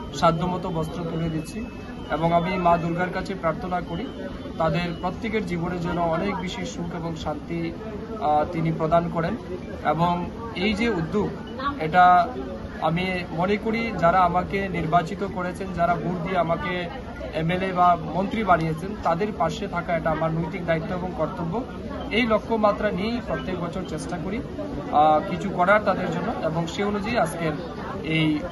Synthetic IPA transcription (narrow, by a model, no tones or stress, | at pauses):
ʃad̪ʱːomɔt̪obɔst̪ɾok̪uɾed̪it̪ːt͡ɕʰi | eboŋamimad̪uɾɡaɾkat͡ɕʰepɾaɾt̪ʰonakoɾi | t̪ad̪eɾpɾot̪ːekeɾd͡ʑiboneɾd͡ʑonːoɔnek̚biʃiʃukeboŋʃant̪i | t̪inipɾod̪ankɔɾen | ḛboŋ | ejd͡ʑeud̪ːuk | eʈa | a̰mimɔnekoɽid͡ʑaɾaamakeniɾbat͡ɕit̪okoɾet͡ɕʰend͡ʑaɾabuɾd̪ieamake | emelebamont̪ɾibaɽijet͡ɕʰent̪ad̪eɾpaʃet̪ʰakaeʈaamaɾnojt̪ik̚d̪ait̪ːoeboŋkɔɾt̪obːo | ejlokʰːomat̪ːɾanipɾot̪ːek̚bɔt͡ɕʰoɾt͡ɕesʈakoɾi | kit͡ɕʰukɔɽaɾt̪ad̪eɾd͡ʑonːoeboŋʃeonud͡ʑajaskeɾ | ej